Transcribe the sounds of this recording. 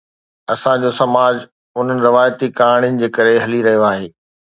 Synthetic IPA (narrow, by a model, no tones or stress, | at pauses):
ɐsãd͡ʑosɐmaːd͡ʑ | ʊn̤ənɪ̆ɾɪʋaːjt̪ikaːɽ̃jɪnɪ̆d͡ʑeːkɐɾeɦɐliɾɐɦijoaːɦeː